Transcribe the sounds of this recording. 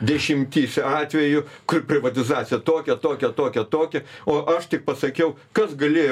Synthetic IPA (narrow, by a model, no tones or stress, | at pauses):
d̪ʲɛʃʲɪmʲt̪ʲiːsʲɑːt̪ʲʋʲɛjʊkʲpʲɾʲɪʋɐt̪ʲɪzɑːt̪sʲɪjɛt̪oːkʲɛt̪oːkʲɛt̪oːkʲɛt̪oːkʲɛoːʔɐʃt̪ʲɪk̚pɐsɐkʲɛʊkɐsɡɐlʲeːj